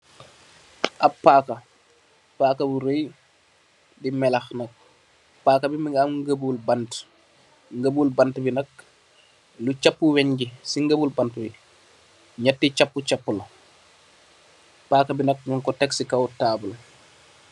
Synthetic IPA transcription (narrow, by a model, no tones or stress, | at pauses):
ʔɐpːakɐ | paːkɐbuɾoj | dimɛlɐxnɐk̚ | paːkɐbimiŋamŋɡəbulbɐnt | ŋɡəbulbɐntbinɐk̚ | lut͡ʃapːuwɛɲɡisiŋɡəbulbɐntbi | ɲatːit͡ʃapːut͡ʃapːul | paːkɐbinɐk̚ɲɔŋkɔtɛksikɐwtaːbul